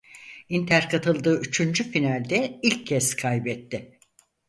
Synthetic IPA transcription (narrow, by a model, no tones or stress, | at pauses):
int̪ʰæɾkʰat̪ʰɯlˠd̪ɯːyt͡ʃʰynd͡ʒyfinalʲd̪ɛilʲcʰːɛskʰajbɛt̪ʰːɪ